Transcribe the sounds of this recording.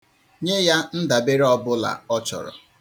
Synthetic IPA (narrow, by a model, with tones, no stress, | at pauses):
ɲe˦ja˦n̩˦da˨be˦ɾe˦ɔ˦bʊ˦la̰˨ɔ˦t͡ʃɔ̰˨ɾɔ̰˨